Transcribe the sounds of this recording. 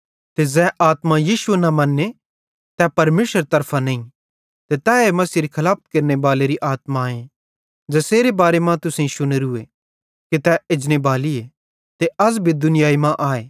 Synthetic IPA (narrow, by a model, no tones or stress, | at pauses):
t̪ezɛːʔaːt̪majiːʃuenɐmɐnːe | t̪ɛpɐɾmeːʃəɾt̪ɐɾpʰanɐ̃ĩ | t̪et̪ɛemɐsiɾikʰɐlaːp̚ʰkeɾnebaːleɾiʔaːt̪maẽ | d͡ʒɐseːɾebaːɾemãt̪ʊsẽĩʃʊneɾʊe | kit̪ɛɪd͡ʒnebaːlie | t̪eɐsbʱid̪ʊnɪjaːimãʔaːeː